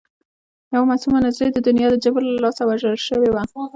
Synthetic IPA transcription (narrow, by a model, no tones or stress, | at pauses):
jawamasumanazɾed̪əd̪ʊnjɑd̪əd͡ʒabɾlalɑsawaʒəlʃəwewa